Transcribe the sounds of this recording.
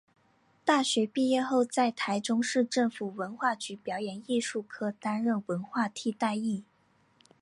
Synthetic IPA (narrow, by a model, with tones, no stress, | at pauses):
t̪a˥˩ɕɥɛ˧˥pi˥˧jɛ˥˧xo˥˧ʊt͡sa˥˩ɪt̪ʰa˧˥ɪʈ͡ʂʊ˥ŋʂɻ̩˥˧ʈ͡ʂɤ˥˩ŋfu˨˩wə˧˥nxwa˥˩t͡ɕy˧˥pjɑ˨˥ʊjɛ˨˧˥ni˥˧ʂu˥˩kʰɤ˥˩t̪a˥nɻə˥˩nwə˧˥nxwa˥˧t̪ʰi˥˧t̪a˥˧ɪi˥˩